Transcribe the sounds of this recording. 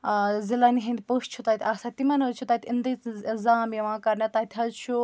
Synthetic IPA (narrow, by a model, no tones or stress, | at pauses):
zilaniɦĩnd̪ʲpoʃt͡ʃʰut̪at̪ʰʲaːsat̪imɐnɐt͡ʃʰut̪at̪ʰʲind̪izaːmjɐʋãːkɐɾnɐt̪aːt̪ʲʰɦɐzt͡ʃʰu